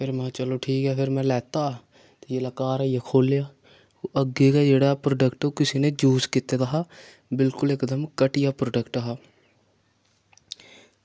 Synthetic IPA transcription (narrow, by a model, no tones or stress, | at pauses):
pʰɪɾmɛ̃t͡ʃəloʈʰiːkɦɛːpʰɪɾmɛ̃ːlɛːt̪aː | t̪ojelakaːɾɛjekʰoːlejaː | oʔəɡekad͡ʒeːɽaːpɾoːɖəkʈokɪsined͡ʒuːskit̪ed̪aɦaː | bɪlkʊlekd̪əmkəʈijaːpɾoːɖəkʈəɦaː